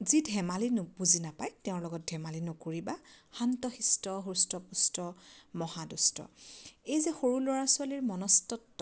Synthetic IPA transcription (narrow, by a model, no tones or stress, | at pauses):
zidʱɛmalinbuzinapajteʊ̃ɹlɔɡɔt̚dʱɛmalinokoɹibaxantɔxistɔɦustɔpustɔmɔhadustɔ̰ejzɛxoɹulɔɹasuwaliɹmɔnɔstɔtːɔ